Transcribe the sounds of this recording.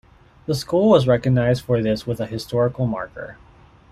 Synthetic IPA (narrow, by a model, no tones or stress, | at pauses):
ðəskulˠwʌzɹɛkɨɡ̚naɪzd̥fə˞ðɪswəðəhɨstɔɹɨkl̩ˠmɑ̰ɹkə̰˞